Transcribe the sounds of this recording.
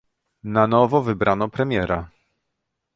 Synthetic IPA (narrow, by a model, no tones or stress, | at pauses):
nanɔvɔvɘbɾanɔpɾɛmʲjɛɾa